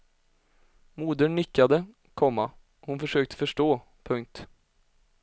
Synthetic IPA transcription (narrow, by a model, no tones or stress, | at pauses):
muːd̪əɳʏkːad̪ə | kʰɔmːa | hʊnfœʂøːk̚t̪ə̥fœʂʈoː | pʰɵŋk̚t̪